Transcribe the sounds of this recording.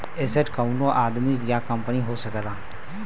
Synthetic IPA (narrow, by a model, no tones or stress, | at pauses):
ɪsəʈkəunõːʔaːd̪miɡjaːkəmpəniːɦoːsəkɾaː